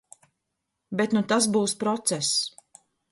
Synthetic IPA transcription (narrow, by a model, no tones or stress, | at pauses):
bet̪nut̪as̬buːspɾɔt̪sɛs